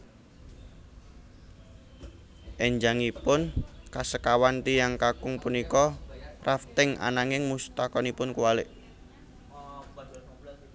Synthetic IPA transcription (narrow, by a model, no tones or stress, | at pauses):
ʔɛɲd͡ʒaŋipʊnkasəkawant̪ijaŋkakʊŋpunikɔrʔaft̪ɪŋʔa̰naŋɪŋmust̪akɔnipʊnkuwalɪʔ